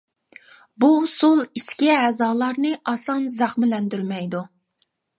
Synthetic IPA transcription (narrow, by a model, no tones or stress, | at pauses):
busolˠiskʲiɛzɑːlˠɑɾnɨʔɑsɑnzɑχmɪlɛnd̪yɾmɛjd̪u